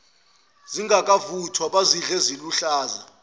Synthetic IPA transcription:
ziŋɡʱakʼavutʰwaɓaziɮɛziluɬaːza̰

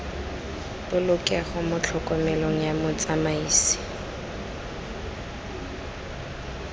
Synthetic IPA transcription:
bʊlʊkʼaχʊmʊt͡ɬʰɔkʼɔmɛloŋ̩jamʊt͡sʼamaiːsɪ̥

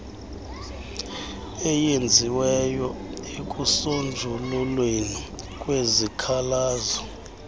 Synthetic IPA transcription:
ɛjend͡zʱiwɛjɔekʼusond͡ʒʱululweni | kʼwezikʰalaːzɔ

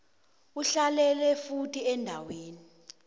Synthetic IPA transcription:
uɬalɛlɛfutʰʼiɛndʱaweːni

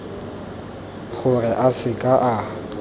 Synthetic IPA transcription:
k͡xʰʊrɛʔasɪkʼaʔa

